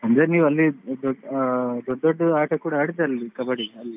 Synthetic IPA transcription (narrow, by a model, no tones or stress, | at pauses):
ɐnd̪ɾeniːʋuɐlːid̪ɔd̪ɔɖːd̪ɔɖːɐaːʈɐkuːɽɐaːɽid̪ɐɾɐlːikɐbɐɽiɐlːi